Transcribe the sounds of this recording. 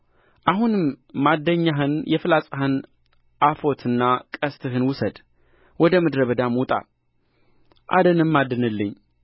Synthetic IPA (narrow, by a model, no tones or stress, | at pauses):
ʔahunɨmːad̪ːəɲːaɦɨnjɛfɨlasʼahɨn | ʔafo̞t̪ʰɨnːakʼəst̪ʰɨhɨnwʊsəd̪ | wɔd̪əmɨd̪ɾəβəd̪amut̪ʼa̰l | ʔa̰d̪ənɨmːad̪ənɨlːɨɲː